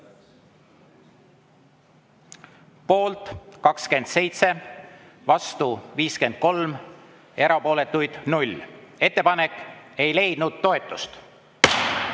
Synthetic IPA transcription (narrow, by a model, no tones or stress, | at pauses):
po̞ːlt̪ˑkɑkske̞nd̪̥se̞jt̪se̞ | vɑst̪uviːske̞nd̪̥̚ko̞lm | e̞ɾɑpo̞ːle̞t̪ːˑujd̪̥nulʲe̞t̪ːe̞pɑne̞kːˑe̞jle̞jd̪̥nud̪̥̚t̪o̞e̞t̪ːˑust̪